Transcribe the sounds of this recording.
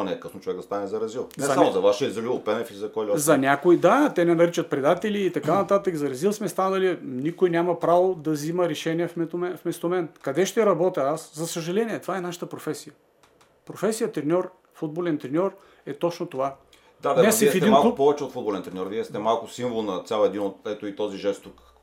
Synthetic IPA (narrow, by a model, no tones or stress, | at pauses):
nɛkəsnoʊt͡ʃovɛkɡd̪ɐst̪anɛzɐɾɐzilˠnzɛsɐamozɐvaʃizɐlʲupɛnɛfizɐkɔjlzɐnʲakoid̪at̪ɛnɛnɐɾit͡ʃət̪̚pɾɛd̪at̪ɛlʲiːt̪ɐkanɐt̪at̪əkzɐɾɐzilˠsmɛst̪anɐlinikojnʲamɐpɾavod̪ɐzimɐɾɛʃɛniɛfmɛɛfmɛst̪omɛnkɐd̪ɛʃt̪ɛɾɐbɔt̪ʲɐaszɐsəʒɐlɛnʲiɛt̪ovaɛnaʃə̥t̪əpɾofɛsijə | pɾofɛsijət̪ɾɛnʲɔɾ | fud̪̚bolɛnt̪ɾɛnʲɔɾ | ɛt̪ɔt͡ʃnot̪ova | d̪anɛsɛɛfid̪ɛinmalklˠuppɔvɛt͡ʃɛot̪fud̪bolɛnt̪ɾɛnʲɔɾviɛst̪ɛmalˠkʊsiɱvolˠnɐt̪sʲalˠɛd̪inot̪ɛt̪ʊit̪ɔziʒɛst̪uk